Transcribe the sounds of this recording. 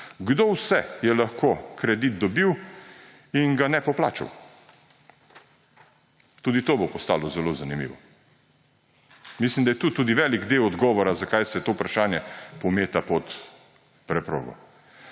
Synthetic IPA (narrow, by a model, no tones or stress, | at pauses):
ɡd̪owsɛjɛlaxkokɾɛd̪it̪̚d̪ɔbiw | iŋɡanɛpɔplaːt͡ʃa̰w | t̪uːd̪it̪oːbopɔst̪a̰ːlɔzɛlozanimḭʋɔ̰ | mislimd̪ajɛt̪uːt̪uːd̪iʋɛliɡd̪ewɔd̪ɡɔːʋɔɾazakajsɛt̪oupɾaʃaːnjɛpɔmeːt̪apɔt̪ | pɾɛpɾo̰ːɡɔ̰